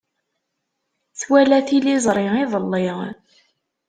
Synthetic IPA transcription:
θwælæθilizˤɾˤɪiðˤəlːiʁ

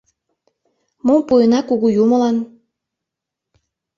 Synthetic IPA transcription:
mompujənɑkuɣujumə̆lɑn

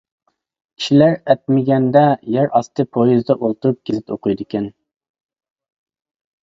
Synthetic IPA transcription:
kʰʲi̥ʃilæɾɛt̪̚mɪɡʲɛnd̪ɛjæɾʔɑst̪ʰɨpʰojizd̪ɑʔolˠt̪uɾup̚kʲʰezɪt̪oqʰʊjd̪ɪkʲɛn

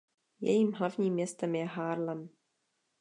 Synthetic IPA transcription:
jɛ̰jiːmɦlavɲiːmːɲɛst̪ɛmjɛɦaːɾlɛm

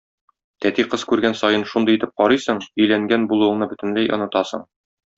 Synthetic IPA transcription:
t̪æt̪iqɤz̥kʉɾɡænsɒjɤnʃund̪ɤjit̪ɘp̚qɒɾɤsɤɴɵ̆jlæŋɡænbulˠɤuwɤ̆nɤbɵ̆t̪ɘ̆nlæjʔŏ̰nɤ̆t̪ɑsɤ̰ɴ

